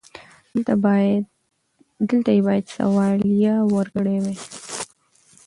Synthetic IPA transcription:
t̪a | d̪əlt̪ajebɑjad̪sa̰wɑljawəɾɡɽewe

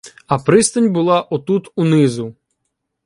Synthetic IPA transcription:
ɐpɾɪst̪ɐnʲbʊlˠɑʔɔt̪ut̪unɪzʊ

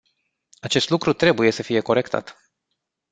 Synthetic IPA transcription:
at͡ʃe̞st̪lukɾut̪ɾe̞buje̞səfije̞ko̞ɾe̞kt̪ʰa̰t̪

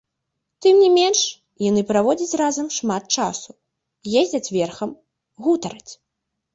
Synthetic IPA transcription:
t̪ɨmnʲimʲɛnʂ | janɨpɾavɔd͡zʲɐt͡sʲrazɐmʂmat̪̚t͡ʂasu | jezʲd͡zʲɐt͡sʲvʲɛrxɐm | ɣut̪ɐɾɐt͡sʲ

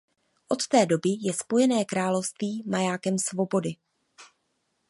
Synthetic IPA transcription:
ʔo̞t̪t̪ɛːdo̞bɪjɛspo̞jɛnɛːkɾaːlo̞fst̪viːmajaːkɛmsvo̞bo̞dɪ

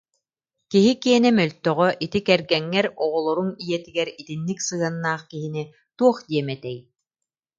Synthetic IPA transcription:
kiɦikiɛnɛmœlʲt̪œʁœʔit̪ikɛɾɡɛŋːɛɾɔʁɔlˠɔɾunijɛt̪iɡɛɾit̪inːiksɯanːaːχkiɦini | t̪uɔχd̪iɛmɛt̪ɛj

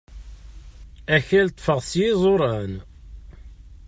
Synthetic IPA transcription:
æçælt̪ˤːfəʁsjizˤoɾˤɑn

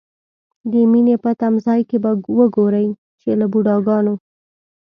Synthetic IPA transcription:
d̪əminepət̪amzɑjkebawəɡoɾəj | t͡ʃelabuɖɑɡɑno

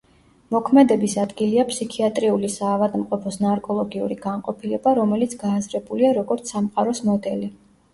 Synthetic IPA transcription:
mɔkʰmɛd̪ɛbisad̪ɡiliapʰsikʰiat̪ʼɾiulisaːvad̪mqʼɔpʰɔsnaɾkʼɔlˠɔɡiṵɾiɡ̥anqʼɔpʰilɛbaɾɔmɛlit̪sʰɡaːzɾɛbuliaɾɔɡɔɾt̪sʰamqʼaɾɔsmɔd̪ɛli

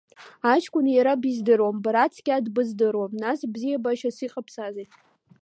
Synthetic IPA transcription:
at͡ʃʰkʷʼʊnjaɾabizdɨrwambaɾat͡sʰɡʲadbɨzdɨrwamnasbzijabaʃasiqʼapʰsazejtʼ

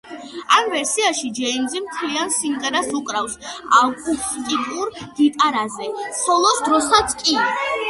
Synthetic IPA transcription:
amvɛɾsiaʃid͡ʒɛind̪zimt̪ʰliansiŋɡɛɾasukʼɾafsa̰lkʼut̪ʼikʼuɾɡ̥̪it̪ʼaɾazɛpʰɔlˠɔsd̪ɾɔsat̪sʰkʼi

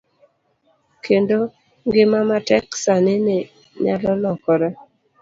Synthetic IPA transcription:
kendo | ŋɡɪmamatɛksanɪne | ɲalɔlɔkɔɾa

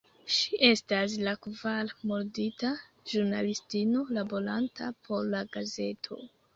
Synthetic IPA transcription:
ʃiʔe̞stas̬lakvalmo̞ɾdita | ʒuɾnalistino̞labo̞ɾantʰapʰo̞ɾlaɡaze̞tʰo̞̰

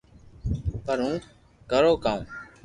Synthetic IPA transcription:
pəɾɦũː | kəɾoːkãːm

